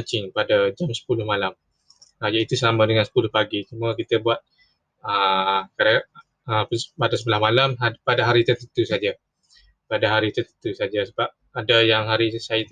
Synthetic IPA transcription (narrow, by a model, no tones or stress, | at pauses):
t͡ʃɪŋpadad͡ʒamsə̥pulʊhmalam | əjait̪usamãdəŋansə̥pulʊhpaɡit͡ʃumə̃kit̪əbuat̪̚ | əkaɾa | əpspadasəbəlahmalamapadaɦaɾit̪ət̪ənt̪usad͡ʒa | padaɦaɾit̪ət̪ənt̪usad͡ʒasəbap̚ | adajaŋɦaɾisat̪